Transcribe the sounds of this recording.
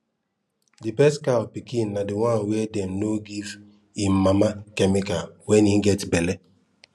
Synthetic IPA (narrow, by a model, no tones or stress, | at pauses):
dɪbɛskapikinːadɪwanwedem̩noɡiv | im̩mamakemikalwɛniɡɛtbele